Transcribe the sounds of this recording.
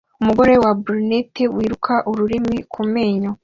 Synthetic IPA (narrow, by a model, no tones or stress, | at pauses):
umuɡo̞ɾe̞wabuɾnetewiːɾukʰaʔuɾuɾimikʰumeːɲo